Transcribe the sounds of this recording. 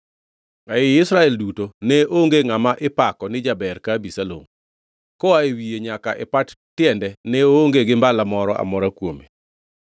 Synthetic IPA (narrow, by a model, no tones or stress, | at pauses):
aɪɪsɾaɛldutonɛʔoŋɡeŋamaʔɪpakɔnɪd͡ʒabɛɾkabisalo̰ŋ | kɔaewijeɲakaʔɛpat | tjɛndɛnɛooŋɡeɡɪmbalamɔɾɔʔa̰mɔɾakwome